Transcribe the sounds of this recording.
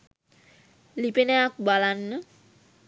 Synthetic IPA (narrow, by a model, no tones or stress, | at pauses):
lipeneakubalanːə